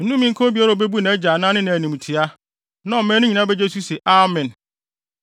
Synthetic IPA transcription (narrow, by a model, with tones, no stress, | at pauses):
n̩˦nũ˦mĩ˦ŋ˦kʰɔ̃˦bi˦a˦ɾa˨be˦bu˦nã˨ɛ˦d͡ʑa˨nã˦nɪ̃˦nã˨æ˨nĩ˨m˨tʰi˨a˦ | nã˨˦˨mɛ̃ː˦nʊ̃˦ɲĩ˨nã˦bɛ˦d͡ʑe˦s̬u˦se˨ʔa˨mɪ̃˨n